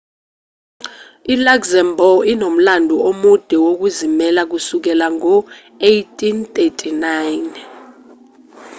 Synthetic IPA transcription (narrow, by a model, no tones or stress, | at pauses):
ilaɡzɛmbʱɔinom̩landʱuomud̥ʱɛwok̬uzimɛlak̬usuk̬ɛlaŋɔ | ejtʰʼint̪ʼetʰʼinajn